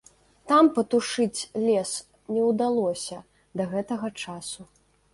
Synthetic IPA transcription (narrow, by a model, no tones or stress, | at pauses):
t̪ampɐt̪uʂɨt͡sʲlʲɛs | nʲɛwd̪alˠɔsʲɐ | d̪ɐɣɛt̪ɐɣɐt͡ʂasu